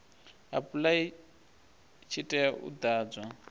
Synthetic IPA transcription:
a̰pulai | t͡ʃʰitʼɛaʔṵd̪aːd͡zwa

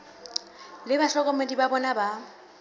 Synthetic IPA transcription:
lɪbaɬɔkʼɔmedibabɔnaba

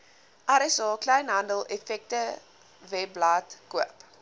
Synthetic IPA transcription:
ʔaɾɛsɔːklɛjnɦɐndəlˠɛfɛk̚tə | vɛblatkuəp

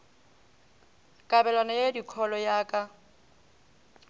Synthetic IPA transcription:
kʼabɛlwanajedikʰɔlɔjaːkʼa

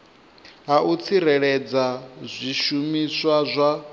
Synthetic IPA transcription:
ɦaut͡sʰiɾɛɺɛd͡zazʷiʃumiswazʷa

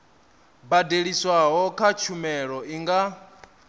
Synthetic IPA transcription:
badeɺiswaɦɔkʰat͡ʃʰumɛɺɔiŋɡa

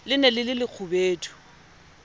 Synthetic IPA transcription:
lɪnɛlɪlɪlɪk͡xʰʊbeːtʰʼu̥

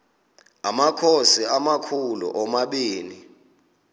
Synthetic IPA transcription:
amakʰosiamakʰulṵʔɔmaɓiːni

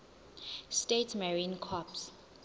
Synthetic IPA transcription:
stetʰmaɹĩnkʰɔps

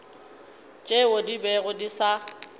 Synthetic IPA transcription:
t͡ʃʼeodibɛɣʊdisa

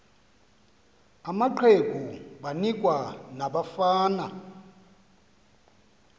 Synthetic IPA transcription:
amaǃʰekʼuɓanikʼwanaɓafaːna

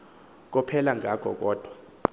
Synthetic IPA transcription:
k̬ɔpʰɛlaŋʱak̬ʼɔ̰k̬ʼɔːd̥ʱwa

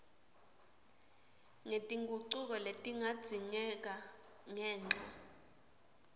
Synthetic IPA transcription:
ŋetʼiŋɡʱuǀuk̬ɔletʼiŋad̥z̥ʱiɲɛk̬a | ŋɛːnd͡ɮʱa

